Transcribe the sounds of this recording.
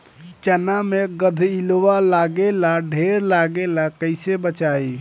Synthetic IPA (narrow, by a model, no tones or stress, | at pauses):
t͡ʃənameɡəd̪ʱilowalaɡelaɖʱeɾlaɡelakəɪsebət͡ʃaj